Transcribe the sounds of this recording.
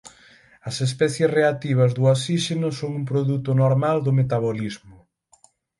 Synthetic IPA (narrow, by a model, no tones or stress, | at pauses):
ɐsespɛθjesreat̪iβ̞ɐzðʊasiʃenʊsoŋumpɾoðut̪ʊnoɾmald̪ʊmet̪aβolizmʊ